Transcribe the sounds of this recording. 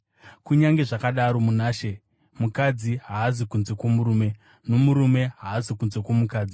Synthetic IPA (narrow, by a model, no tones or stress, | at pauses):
kuɲaŋɡe̞ʐakaɗaɾo̞munaːʃe̞ | mukad͡ziɦaːzikunze̞kwomuɾuːme̞ | no̞muɾume̞ɦaːzikunze̞kwomukaːd͡zi